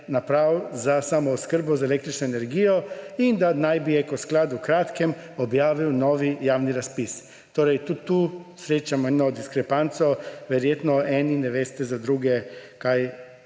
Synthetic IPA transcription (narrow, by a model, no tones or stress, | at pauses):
napɾawzasamɔuskəɾbɔzaelekt̪ɾit͡ʃnɔenɛɾɡijɔind̪anajbiɛkɔsklad̪ukɾat̪kɛm | ɔbjaːʋiwnɔːʋijaːwniɾaspis | t̪oːɾɛjt̪ut̪ːusɾeːt͡ʃamɔɛnɔd̪iskɾɛpant̪sɔʋɛɾjeːt̪nɔɛːninɛʋeːst̪ɛzad̪ɾuːɡɛkaj